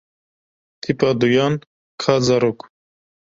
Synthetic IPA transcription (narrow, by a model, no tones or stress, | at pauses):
t̪ʰipad̪ujan | kʰazaɾuk